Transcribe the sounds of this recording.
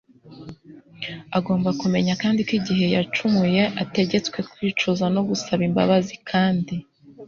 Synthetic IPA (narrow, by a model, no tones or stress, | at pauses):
aɡo̞ːmbakume̞ɲakaːndikiɟiɦe̞jat͡ʃumuje̞ʔate̞ɟe̞t͡skwe̞kwiːt͡ʃozano̞ɡusaβimba̰βazikʰaːndi